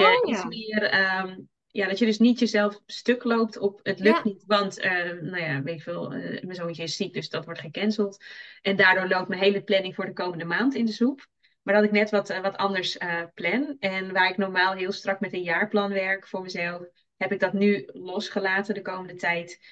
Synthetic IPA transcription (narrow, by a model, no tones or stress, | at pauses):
aismɪərə | jadɔtjədɵsnitjəzɛlˠfstøklowp̚tʰɔpətløktnitʋɑntənawjaʋeːtɪ̥kʋɪːlˠə̰məzoisɪsit̚døsdɔtʋɔɹtχəkɛnsəlˠtʔɛndaːɹdʊːɹlowp̚tmənɦejləplɛnɪŋfʊːɹdəkowməndəmaːntɪndəzup | maɹdɔtɪknɛtʋɔtʋɔtʰɑndəɹsəplɛnɛnʋaːɪknɔɹmaːlˠɦɪːlˠstrɑkmɛtənjaːɹplɑnʋɛɹkfʊːɹməzɛlˠf | hɛpɪɡ̚dɔtnylɔsχəlaːtəndəkowməndətɛjt